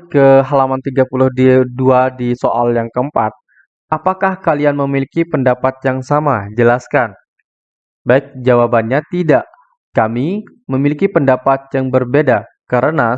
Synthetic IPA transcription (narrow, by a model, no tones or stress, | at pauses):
kəɦalamant̪iɡapulʊhdiduadisoʔaljaŋkəmpat̪̚ | apakahkalianməmilikipəndapat̪̚jaŋsamad͡ʒəlaskan | baɪk̚d͡ʒawabanɲat̪idaʔ | kami | məmilikipəndapat̪̚jaŋbərbeda | kaɾəna